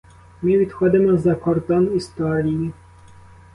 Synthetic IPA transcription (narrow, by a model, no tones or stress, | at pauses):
mʲivʲit̪xɔd̪ɛmazakɔɾt̪ɔnist̪ualʲii